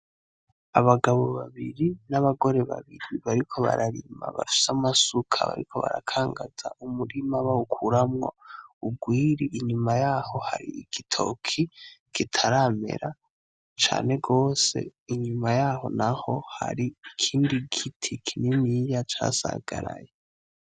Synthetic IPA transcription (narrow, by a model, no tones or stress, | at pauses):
aβaɡaβo̞βaβiɾinaβaɡo̞ɾe̞βa̰βiɾiβaɾikʰo̞βa̰ɾaɾima̰βafi̥samasukʰa̰βa̰ɾikʰo̞βa̰ɾa̰kʰaːŋɡaz̥aʔumuɾimaβaukʰuɾamŋaub̚ɡwiːɾiʔiɲumajaːho̞ha̰ɾiːɡ̥itʰo̞̰kʰiɡ̥itʰaɾame̞̰ɾa | t͡ʃa̰ːne̞ɡo̞ːse̞̰iɲumajaːho̞̰naho̞ha̰ɾiikʰiːndiɡitʰikʰinimijat͡ʃaːsa̰ɡ̥aɾaje